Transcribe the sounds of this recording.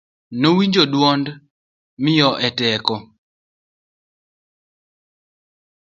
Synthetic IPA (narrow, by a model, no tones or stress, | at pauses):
nowiɲd͡ʒodwɔnd | mɪjɔʔɛtɛkɔ